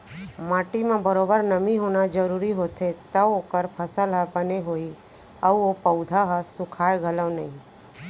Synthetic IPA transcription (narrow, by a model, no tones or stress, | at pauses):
maːʈimãbəɾoːbəɾnəmĩɦoːnad͡ʒəɾuːɾiɦoːt̪ʰet̪əoːkəɾpʰəsəlɦəbəneɦoːi | əuopəʊd̪ʱaɦəsʊkʰaːeɡʱələʋnəĩ